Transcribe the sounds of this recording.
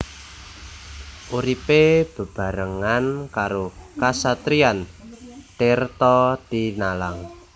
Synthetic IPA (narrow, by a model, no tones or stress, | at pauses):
ʔuɾipeb̥ə̤b̥a̤ɾəŋankaɾokasat̪ɾiant̪ert̪ɔt̪inalaŋ